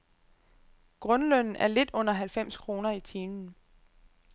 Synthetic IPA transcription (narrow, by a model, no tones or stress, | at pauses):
ɡ̥ʁɔ̽nlœn̰n̩æɐle̝d̥ɔ̽n̰ɐɦælfem̰skʰʁo̝ːnɐit͡sʰiːnn̩